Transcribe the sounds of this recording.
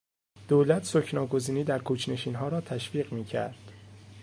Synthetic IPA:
d̪̥oːlæt̪ʰsocʰnɒːɡo̞ziːniːd̪æɾkʰuːt͡ʃʰne̞ʃiːnɦɒːɾɒːt̪ʰæʃviːɣmiːcʰæ̰ɾd̪̥

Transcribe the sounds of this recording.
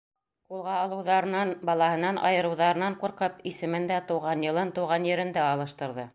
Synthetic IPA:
qulˠʁɑɑlˠɤ̆wðɑɾɤ̆nɑnbɑlˠɑhɤ̆nɑnʔɑ̰jɤ̆ɾɤ̆wðɑɾɤ̆nɑɴquɾqɤpisɘ̆mɘnd̪æt̪ɤ̆wʁɑnjɤ̆lˠɤnt̪ɤ̆wʁɑnjɘ̆ɾɘ̆nd̪æɑlˠɤ̆ʃt̪ɤ̆ɾðɤ

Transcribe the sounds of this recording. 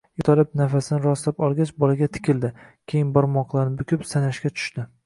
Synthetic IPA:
jet̪ʰalɪp̚nafasɪnɪɾɒslapɒlˠɡʲat͡ʃbɒlaɡʲat̪ʰɪ̥kʲʰɪld̪ɪkʲʰe̞jɪnbɒɾmɒqlˠaɾnɪbʊkʲɪpsanaʃkʲat͡ʃ̪ʰʊ̥ʃt̪ɪ

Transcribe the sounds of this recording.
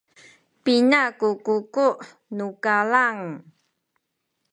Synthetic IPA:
pinakukukuʔ | nukalaŋ

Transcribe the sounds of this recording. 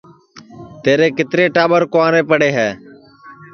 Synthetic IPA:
t̪eːɾeːkɪt̪ɾeːʈaːɓəɾkoãːɾeːpəɽeːɦɛː

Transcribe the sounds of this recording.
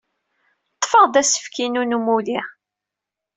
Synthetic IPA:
t̪ˤːfəʁd̪æsə̥fkinunumuli

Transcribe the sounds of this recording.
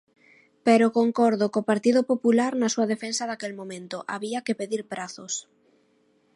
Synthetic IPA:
peɾokoŋkɔɾðokopaɾt̪iðʊpopulaɾnasuɐðefensaðakelmõmẽnt̪ʊʔa̰βiakɪpeðiɾpɾaθos

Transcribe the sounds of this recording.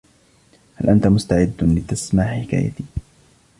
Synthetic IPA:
halʔant̪amʊst̪aʕɪd̪ːlɪt̪ːasmaːħɪka̰ːja̰t̪iː

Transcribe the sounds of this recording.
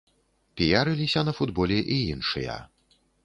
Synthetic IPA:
pʲijaɾɨlʲisʲɐnɐfud̪bɔlʲɛʔiinʂɨjɐ̰

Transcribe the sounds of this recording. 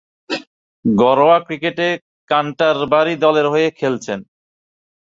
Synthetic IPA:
ɡɔɾoakɾikeʈe | kaɳʈaɾbaɾid̪ɔleɾɦojekʰelt͡ɕʰen

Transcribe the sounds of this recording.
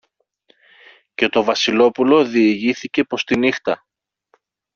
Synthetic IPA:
ce̞t̪o̞vɐsilo̞pulo̞ðiːʝiθice̞po̞st̪inixt̪ɐ

